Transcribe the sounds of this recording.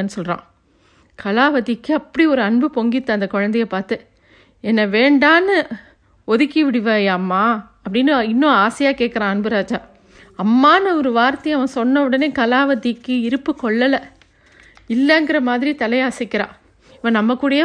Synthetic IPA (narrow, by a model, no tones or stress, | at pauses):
nːɯsɔlɾã̰ː | kɐlaːʋɐt̪ːikːɯɐpːɐɽiɔɾɯɐɳbɯpɔŋɡɪt̪ːãːɐnd̪ɐkɔɻɐnd̪ɐjɐpaːɾt̪ɯ | ɛnːɐʋeːɳɖaːnɯ | ɔðɯkːiʋɪɽɪʋeːjːmːaːɐpːɐɽɪnːɯɪnːõaːsɐjaːkeːʈkːɐɾãːɐnbɯɾaːd͡ʒaː | ɐmːaːnɯɔɾɯʋaːɾt̪ɐjɐʋɐ̃sɔnːɐʋɯɽɐneːkɐlaːʋɐt̪ːɪkːɯɪɾɯpːɯkɔɭːɐlɐ | ɪlːɐŋɡɪɾɐmaːðɪɾit̪ɐlɐɪjaːsɪkːɪɾã̰ː | ɪpːɐːnɐmːɐkːuːɽɐjɐ